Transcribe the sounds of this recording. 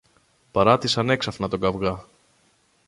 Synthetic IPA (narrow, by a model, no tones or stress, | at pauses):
pɐɾɐt̪isɐne̞ksɐfnɐt̪o̞ɡɐvɣɐ